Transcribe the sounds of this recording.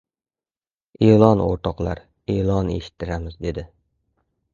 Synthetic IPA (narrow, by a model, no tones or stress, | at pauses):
eːlˠɒno̰ɾt̪ʰɒqlˠaɾ | elˠɒnḛʃɪ̥t̪ʰːɪɾamɪzd̪ed̪ɪ